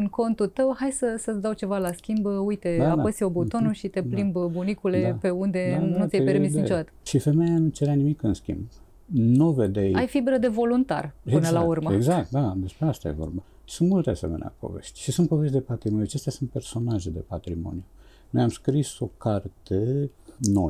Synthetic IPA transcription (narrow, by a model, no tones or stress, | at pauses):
ɨŋko̞nt̪ult̪əwhajsəsət̪d̪awt͡ʃe̞valaskʲimbujt̪e̞aapəsio̞but̪o̞nnuʃit̪e̞plimbbunikule̞pe̞und̪e̞nut̪sʲjejpeɾmisit͡ʃod̪at̪ə̥ʃife̞mejanut͡ʃeɾeanimikɨnskʲḭmb | nuved̪ejajfibɾəd̪e̞vo̞lunt̪a̰rɨnəlaurməeɡzak̚t̪̚d̪ad̪e̞spɾeast̪a̰jḛvo̞̰rba | sunt̪mult̪ease̞̰menḛa̰po̞̰vḛʃt̪ʲʃisunt̪̚po̞ve̞ʃt̪ʲd̪epat̪ɾimonjuat͡ʃest̪jasunt̪̚pe̞rso̞naʒed̪e̞pat̪ɾimo̞̰niju | nojamskɾiso̞kart̪eno̰